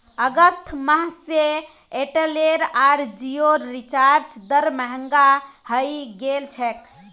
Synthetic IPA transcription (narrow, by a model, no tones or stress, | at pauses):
əɡəst̪ʰməɦse | eʈeleɾaɾd͡ʒioɾːit͡ʃaɾt͡ʃd̪əɾməɦəŋɡahəjɡelt͡ʃʰɛk̚